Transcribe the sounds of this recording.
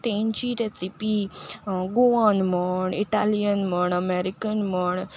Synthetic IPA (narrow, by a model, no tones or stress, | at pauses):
t̪ẽnt͡ʃiɾesipi | ɡoanməɳiʈaːlijənməɳəmeɾikənməɳ